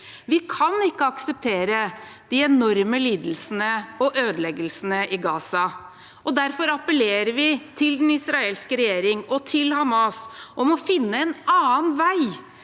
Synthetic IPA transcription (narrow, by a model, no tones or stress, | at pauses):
ʋɪkʰɑnɪkːəɑksəp̚t̪ʰeːɾəd̪̥ɪɛnɔɾməliːd̪əl̩snəɔʔøːd̪lɛɡəlsənəʔɪɡɑːsɑ | ʔɔd̪æɾfɔɾɑpəleːɾəɾʋɪt̪ʰɪld̪ɛnɪsɾɑeːlskəɾɛjeːɾɪŋɔt̪ʰɪlhɑmɑsʔɔmɔfɪnːəɛnɑːənʋæɪ